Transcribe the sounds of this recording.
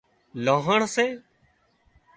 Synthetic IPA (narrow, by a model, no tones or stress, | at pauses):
lãːɦəɳseː